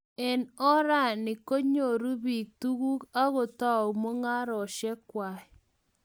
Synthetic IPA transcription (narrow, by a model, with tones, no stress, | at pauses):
ɛ˨nɔ˦ɾa˦˨nɪ˨ko˦ɲo˨ɾu˦βi˨k̚t̪u˦ɣu˦ka˦ɣo˨ta˦˨u˨mo˦ŋa˦ɾɔ˨ʃɛ˦kwa˨